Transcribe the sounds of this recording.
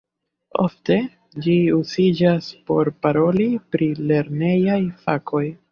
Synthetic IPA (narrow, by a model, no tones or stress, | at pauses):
o̰fte̞ | d͡ʒiuzid͡ʒaspo̞ɾpaɾo̞lipɾile̞ɾne̞jajfakʰo̞j